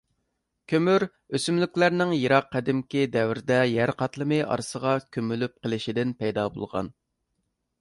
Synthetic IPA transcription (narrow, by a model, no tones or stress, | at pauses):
kʲʰømyɾ | øsymlykʲlæɾnɪŋjiɾɑqʰːæd̪ɪmkʲid̪ɛwɾd̪ɛjæɾqʰɑt̪lˠɨmɨʔɑ̰ɾsəʁɑkʲʰømylyp̚qəlˠɪʃid̪ɪnpɛjd̪ɑbo̰lˠʁɑ̰n